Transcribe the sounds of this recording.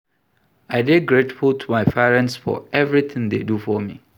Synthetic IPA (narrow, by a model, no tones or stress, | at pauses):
aɪdeɡɹetfultʰumaɪpʰɛɹɛ̃ntsfɔ̰ɛvɹiθɪ̃ŋd̪ḛdufɔmḭ